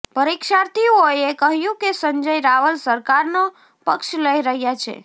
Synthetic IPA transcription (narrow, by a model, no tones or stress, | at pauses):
pəɾikʃaɾt̪iojekəɦjũkesə̃ɲd͡ʒəjɾaʋəlsəɾkaɾno | pəkʃləiɾəɦjat͡ʃʰḛ